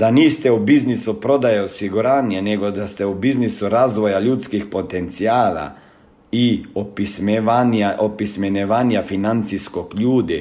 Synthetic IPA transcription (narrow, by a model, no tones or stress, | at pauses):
d̪aniːst̪eubiznisupɾo̞d̪ajeosiɡuɾaːnijeneɡo̞d̪ast̪eubiznisuɾaːzʋo̞jaʎuːt̪skixpo̞t̪ent̪siaːla̰ | iopismʋanaopismeneʋaːnijafinant̪siskokʎuːd̪i